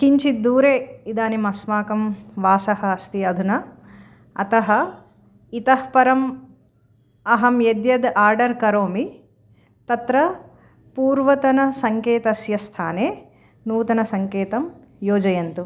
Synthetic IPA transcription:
kiɲt͡ʃid̪uːɾeːid̪aːnimɐsmaːkɐmʋaːsɐhɐɐst̪iɐd̪ʱunɐ | ɐt̪ɐɦɐ̆ | it̪ɐhpɐɾɐm | ɐɦɐmjed̪jɐd̪aːɾɖɐɾkɐɾoːmi | t̪ɐt̪ɾɐ | puːɾʋɐt̪ɐnɐsɐŋkeːt̪ɐsjɐst̪ʰa̰ːneː | nuːt̪ɐnɐsɐŋkeːt̪ɐm | joːd͡ʒɐjɐnt̪u

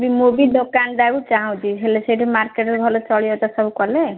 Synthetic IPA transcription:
bimobiɖokand̪akut͡ʃaɦãw̃d͡ʒiɦʰeleseʈʰemaɾkeʈɾbʱɔlot͡ʃɔɭijot̪ɔsʌbukɔle

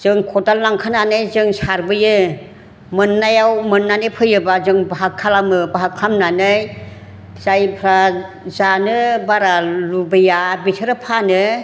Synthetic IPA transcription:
z̥ɯŋkʰɔdalnaŋkʰananɯjzɯŋsaɾbɯjɯ | mɯnːajawmɯnːanɯpʰɯjɯbazɯŋbaɦakʰːalamɯbaɦakʰːamnanɯj | z̥ajpʰɾa | zanɯbaɾalubɯjabitʰɯɾɯpʰanɯ

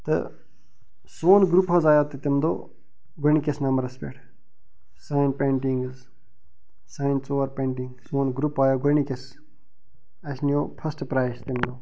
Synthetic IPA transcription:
t̪ɨ̰ | soːnɡɾupɦɐzaːjat̪it̪imd̪o̰ː | ɡonikesnɐmbəɾɐspḛʈʰ | saːjinpẽːɳʈiŋɡz | saːjnsoːʋɐɾpẽːɳʈiŋɡsoːnɡɾupaːjaːɡonikes | ɐʃnijoːpʰɐsʈpɾaːjst̪imd̪oː

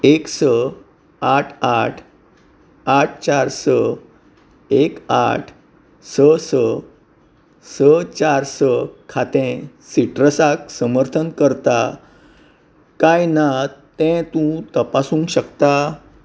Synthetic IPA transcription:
eksə | aʈʰaʈʰ | aʈ̚ʰt͡ɕaɾsə | eka̰ʈʰ | səsə | sət͡ɕaɾsəkʰat̪ẽ | siʈɾəsaksəməɾt̪ʰənkəɾt̪a | kajnat̪ɛ̃t̪ũt̪əpasũːŋkɕəkt̪a

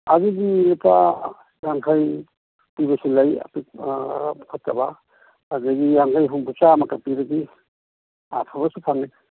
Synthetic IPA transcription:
aziɡilipa | jaŋkʰaj | pibasilaja̰pi | kʰat̚ːabaː | ziɡijaŋkʰajɦuŋpʰut͡ʃamakapiɾaɡi | a̰pʰaβasupʰaŋe

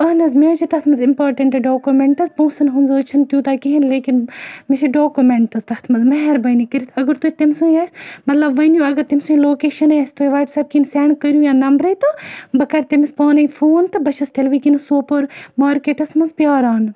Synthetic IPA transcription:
ɐnɐzmet͡ʃʰit̪ɐt̪ʰmɐnzɪmpaːɾʈɐɳʈɖoːkumeɳʈɐzpoːsɐnɦunzoːt͡ʃʰɐnt̪jũːt̪aːkiɦinleːkinmisiɖoːkumeɳʈɐzt̪ɐht̪ʰmɐzmɐɦɛɾbɐnikəɾit̪ʰɐɡɐɾt̪uit̪imsũːiaːsʲmɐt̪lɐbʋɐnjũɐɡɐɾt̪imsũːloːkeːʃɐnaːst̪ueʋaːʈsɐːb̚kinsɛːɳkəɾjuːjãːnɐmbɾɐit̪obɐkɐɾt̪imispaːnɐifʰoːnt̪ɨbɐʃɐst̪ʰelʋikinsoːpoɾmaːɾkeʈɐsmɐnzpjaːɾaːn

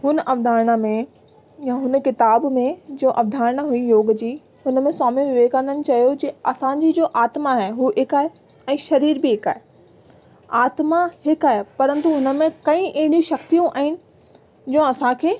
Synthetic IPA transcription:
ɦʊnəʔɐʋd̪ʱaːɾɽ̃əmẽ | jaɦʊnəkɪt̪aːbmẽd͡ʑoːʔɐʋd̪ʱaːɾəɽ̃ɦuijoːɡd͡ʑiː | hʊnəmẽsaːmĩʋɪʋeːɡkɐ̃nd̪ənɪ̆t͡ɕɐjod͡ʑeɐsãd͡ʑid͡ʑoːʔaːt̪maɦɛːɦuːɦɪkaːɦe | ɛ̃ːʃɐɾiːɾbɪɦɪka̰ːɦe | aːt̪mahɪkaːɦepɐɾə̃nt̪uɦʊnə̆mẽkɐ̃ĩʔeɦɪɽjũʃɐkt̪ijũʔa̰ːɦɪnɪ̆ | d͡ʑõːɐsãkʰeː

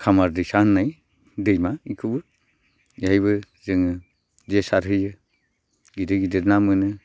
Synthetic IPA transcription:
kʰamaɾdɯjsanːaj | dɯjmaikʰɯbɯ | jajβɯ | zɯŋɯ | desaɾɦɯjɯ | ɡidɯɡidɯɾnamɯnɯ

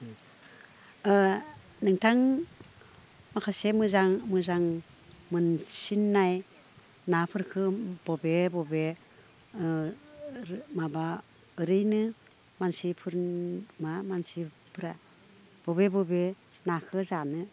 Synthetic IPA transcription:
nɯŋtʰaŋ | makʰasemɯzaŋmɯzaŋ | mɯnsinːaj | napʰɯɾkʰɯb̥ɔbebɔbe | maba | ɯɾɯjnɯ | mansipʰɯɾmamansi | pʰɯɾa | b̥ɔbebɔbe | nakʰɯzanɯ

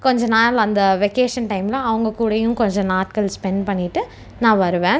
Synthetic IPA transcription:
kɔɲd͡ʒɐ̃naːlɐːnd̪ɐʋɛkeːʂɐnʈɐɪmlɐːʋɐŋɡɐkuːɽɐjʊ̃kɔɲd͡ʒɐ̃naːʈ̚kɐlspɛnpɐɳːɪʈːɯ | nãːʋɐɾɯʋẽː

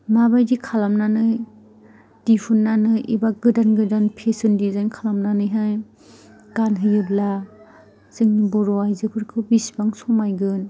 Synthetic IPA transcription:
maβajdikʰalamnanɯj | d̥ipʰunːanɯibaɡɯdanɡɯdanpʰesɯndizankʰalamnanɯjɦaj | ɡ̥anɦɯjɯbla | zɯŋnibɔɾɔajzɯpʰɯɾkʰɯbisbaŋsɔmajɡɯn

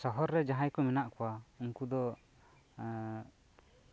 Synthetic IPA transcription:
sɔɦɔɾːɛd͡ʒaɦãjkɔmɛnaʔkɔwauŋkud̪ɔ

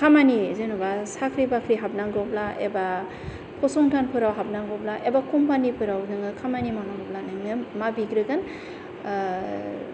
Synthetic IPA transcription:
kʰamanizɯnubasakʰɾibakʰɾiɦap̚naŋɡɔplaʔḛba | pʰɔsɔŋtʰanpʰɯɾawɦap̚naŋɡɔblaʔebakumpanipʰɯɾawnɯŋɯkʰamanimanaŋɔp̚lanɯŋnɯmabiɡɾɯɡan

